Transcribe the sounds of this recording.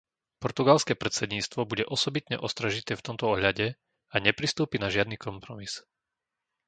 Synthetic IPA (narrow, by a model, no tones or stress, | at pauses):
pɔɾt̪uɡalskɛːpɾɛt̪sɛd̪ɲiːst̪ʋɔbuɟɛʔɔsɔbit̪ɲɛ̰ʔɔst̪ɾaʒit̪ɛːft̪ɔmt̪ɔɔɦʎaɟɛ | aɲɛpɾist̪uːpinaʒɪad̪niːkɔmpɾɔmis